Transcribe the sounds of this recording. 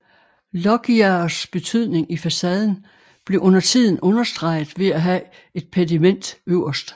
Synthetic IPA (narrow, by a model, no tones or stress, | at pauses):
lɒ̽ɡ̥iɐsb̥e̝t͡sʰyð̞̰ˠne̝ŋifæsɛːð̞ˠn̩ | b̥le̝ʔɔ̽n̰ɐt͡sʰið̞̰ˠn̩ʔɔ̽nɐsd̥ʁɑ̈ɪ̰ð̩ˠʋe̝æɦæ | e̝d̥̚pʰedimen̰d̥øʊɐsd̥